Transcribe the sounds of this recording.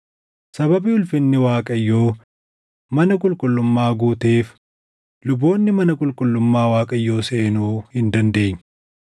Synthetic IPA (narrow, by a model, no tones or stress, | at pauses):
sɐbɐbiʊlfɪnːɪwaːkʼɐjːo̞ː | mɐnɐkʼʊlkʼʊlːʊmːaːɡuːt̪eːf | lʊbo̞ːnːɪmɐnɐkʼʊlkʼʊlːʊmːaːwaːkʼɐjːo̞ːse̞ːnuːhɪnd̪ɐnd̪e̞ːɲ